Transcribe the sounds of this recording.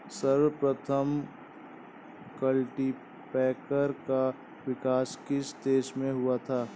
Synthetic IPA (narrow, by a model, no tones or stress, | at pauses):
səɾwəpɾət̪ʰəm | kəlʈi | pɛːkəɾka | wɪkaːskɪsd̪eːʃmẽɦuat̪ʰaː